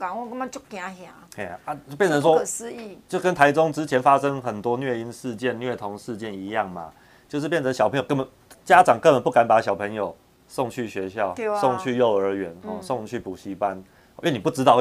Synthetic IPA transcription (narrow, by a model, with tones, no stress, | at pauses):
ka˨˩ŋwɔ˥˧kə˥ma˧˦t͡ɕo˥˩k̪ja˨˥ɕja˨˩˦a˨˩a˦o˥˧pjɛ˥˨nt͡sʰə˧˦nswɔ˦˥˨sɹ̩˧˦i˥˩t͡ɕjo˥˧ʊkə˦nt̪ʰa˧˥ɪʈ͡ʂo˥˦ŋʈ͡ʂɻ̩˦˥t͡ɕʰjɛ˧˥nfa˦ʂə˦ŋxə˨˩nt̪wɔ˥nɥɛ˥˩i˦˥nʂɻ̩˥˧t͡ɕjɛ˥˨nnɥɛ˥˩t̪ʰo˧˦ŋʂɻ̩˥˧t͡ɕjɛ˥˩ni˧˥jɑ˥˩ŋma̰˩ | t͡ɕjʊʂ̬ɻ̩˥˧pjnt͡sʰə˧˦ɕjɑ˨˩pʰŋjo˨˩kə˥nbə˨˩˦n | t͡ɕja˦˥ʈ͡ʂɑ˨˩ŋkə˥pə˨˦npu˥˩ka˧˥npa˧˥ɕjɑ˨˩ʊpʰə˧˥ŋjo˨˩ʊ | sɔ˥˧ŋt͡ɕʰy˥˩ɕɥɛ˧˥ɕjɑ˥˩ʊsɔ˥˧ŋt͡ɕʰy˥˧jo˥˩ʊə˞˧˥ɥɛ˨˦nɔ˥˧sɔ˥˧ŋt͡ɕʰy˥˩pu˨˩ɕi˧˥pa˦n˧˦ | ɥɛ˥˨ni˨˩pu˥˩ʈ͡ʂɻ̩˥t̪ɑ˥˧ʊ